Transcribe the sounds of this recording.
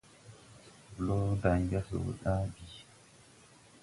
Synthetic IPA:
slo˦da˨ŋɡa˦so̰˨ɗa˦bi˨

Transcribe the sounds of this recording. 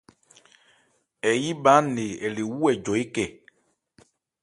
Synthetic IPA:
ɛ˨ji˦ɓã˨˦ne˨ɛ˨le˨wu˦ɛ˨d͡ʒɔ˨i˦kɛ˨

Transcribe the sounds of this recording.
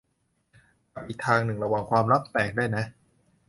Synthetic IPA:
ka˨˩p̚ʔiː˨˩k̚t̪ʰaː˧ŋnɯ˨˩ŋɾa˧waː˨˩ŋkʰwaː˧mɾa˦˥˩p̚t̪ɛː˨˩k̚daː˥˩jna˦˥ʔ

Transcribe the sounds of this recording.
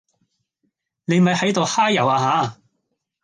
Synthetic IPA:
ne˨˧jmɐ˨jhɐ˨˥jt̪o˨whaː˥jɐ˨˩waː˧ɦaː˨˥

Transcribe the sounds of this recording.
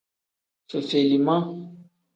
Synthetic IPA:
so˨se˨li˨mã˦

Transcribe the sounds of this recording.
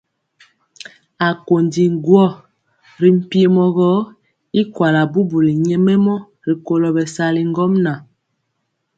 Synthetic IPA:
a˨ko˨ndi˨ŋ˦ɡwɔ˦˨ | ɾi˨m̩˦˨pi˦e˦mɔ˨ɣɔ˦ | i˦kwa˨la˨bu˦bu˨li˨ɲɛ˦mɛ˦mɔ˦ | ɾi˨ko˨lɔ˨bɛ˨sa˨li˨ŋ˦ɡɔ˦mna˨

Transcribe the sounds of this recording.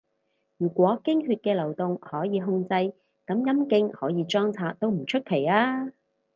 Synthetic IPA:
jyː˨˩kʷɔː˨˥kɪ˥ŋhyː˧t̚kɛː˧lɐ˨˩wt̪ʊ˨ŋhɔː˨˥jiː˨˧ɦʊ˧ŋt͡sɐ˧j | kɐ˨˥mjɐ˥mkɪ˧˥ŋhɔ̰ː˨˥jiː˨˧t͡ʃɔː˥ŋt͡sʰaː˧t̚t̪o˥wm̩˨˩t͡ʃʰɵ˥t̚kʰe˨˩jaː˥

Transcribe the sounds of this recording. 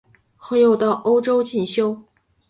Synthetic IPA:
xɤ˧˥jo˥˧ʊt̪ɑ˥˩ʊʔo˥ʊʈ͡ʂo˥ʊt͡ɕi˥˩nɕjo˥ʊ

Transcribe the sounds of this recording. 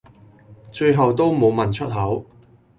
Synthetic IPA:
t͡ʃɵ˧ɥɦɐ˨wt̪o˥wmo˨˧wmɐ˨˩nt͡ʃʰɵ˥t̚ɦɐ˨˥w

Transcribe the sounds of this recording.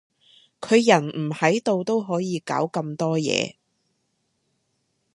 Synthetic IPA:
kʰɵ˨˧ɥjɐ˨˩nm̩˨˩hɐ˨˥jt̪o˧wt̪o˥wɦɔː˨˥jiː˨˧ka̰ː˨˥wkɐ˧mt̪ɔː˥jɛ̰ː˨˧

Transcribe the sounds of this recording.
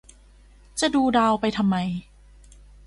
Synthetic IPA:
t͡ɕa˨˩duː˧daː˧wpa˧jt̪ʰa˧mːa˧j

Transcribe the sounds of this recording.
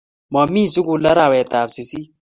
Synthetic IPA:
mɔ˨mi˦˨su˦ku˨la˦ɾa˨wɛ˨t̪a˨psi˨si˦

